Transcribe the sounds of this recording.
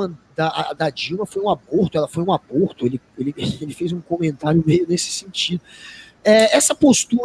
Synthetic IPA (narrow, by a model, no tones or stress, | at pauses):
ɐ̃d̪ɐad̪ɐd͡ʒiwmɐfojũaboɾt̪ʊɛlɐfojũaboɾt̪ʊelɪ | elɪelɪfejzũkõmẽnt̪aɾjʊmejʊnesɪ̥sẽnt͡ʃid̪ʊ | ɛɛsɐpost̪uɾ